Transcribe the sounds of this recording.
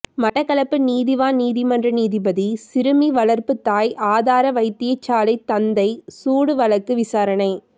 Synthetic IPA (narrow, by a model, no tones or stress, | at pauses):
mɐʈːɐkːɐɭɐpːɯniːðɪʋaːniːðimɐndrɐniːðibɐðisɪɾɯmiʋɐɭɐɾpɯt̪ːaːjʔaːðaːɾɐʋɐɪt̪ːɪjɐɪt͡ʃːaːlɐɪt̪ːɐnd̪ɐɪsuːɽɯʋɐɭɐkːɯʋɪsaːɾɐnɐɪ